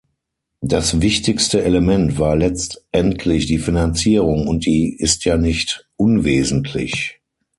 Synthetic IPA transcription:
d̥asvɪçtɪkstəʔeləmɛntv̥aːɐlɛt͡stʔɛntʰlɪçd̥iːfinant͡siːʁʊŋʊnt̚d̥iːɪstʰjaːnɪçtʔʊnveːzn̩tʰlɪ̰ç

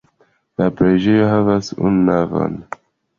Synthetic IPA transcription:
lapɾed͡ʒejoɦavasṵnːavo̰n

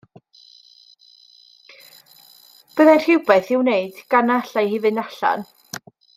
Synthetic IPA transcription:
b̥əðanr̥ɪwbɛθɪwnejɨd̥ɡ̥anaɬajhɪvɨndaɬa̰n

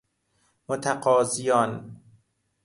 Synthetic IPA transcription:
mot̪ʰaqɒːzijɒːn

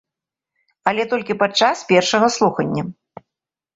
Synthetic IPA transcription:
ɐlʲɛt̪ɔlʲkʲipat͡ʂːaspʲɛrʂɐɣɐslˠuxɐnʲːɐ

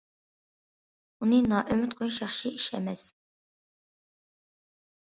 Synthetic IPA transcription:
unɨnɑːʔømyt̪̚qʰojʃjɑχʃiiʃɛ̰mɛs

